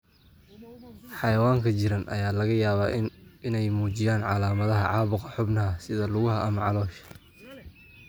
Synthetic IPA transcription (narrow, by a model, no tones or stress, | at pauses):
ħɑjɐwaːŋkʰɐt͡ʃɪɾɐnʔɐ̰jaːlɐɣɐjaːβaːɪnɛjmuːt͡ʃɪjaːnʕɑlaːmɐðɐɦɐʕɑːβʊqɑħʊbnɐɐsɪðɐlʊɣʊɦɐʔɐmɐʕɑlɔːʃɐ̥